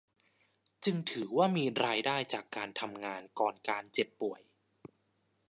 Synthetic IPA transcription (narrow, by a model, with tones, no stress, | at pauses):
t͡ɕɯ˧ŋt̪ʰɯː˩˦waː˥˩miː˧ɾaː˧jdaː˥˩jt͡ɕaː˨˩kːaː˧nt̪ʰa˧mŋaː˧nkɔː˨˩nkaː˧nt͡ɕe˨˩pːu˨˩əj